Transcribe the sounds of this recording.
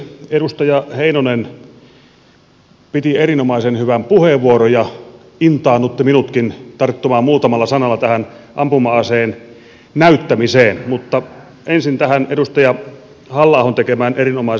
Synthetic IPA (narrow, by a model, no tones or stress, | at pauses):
eɾust̪ɑjɑheinonen | pit̪ierinomɑisenhyʋæmpuheʋːuoɾojɑ | int̪ɑːnut̪ːiminut̪kint̪ɑrt̪ːumɑːmmuːt̪ɑmɑlːɑsɑnɑlːɑt̪æhænʔɑmpumɑːseːn | næyt̪ːæmiseːnmut̪ːɑ | ensint̪æhænedust̪ɑjɑ | hɑlːɑˑːhont̪ekemæːneɾinomɑis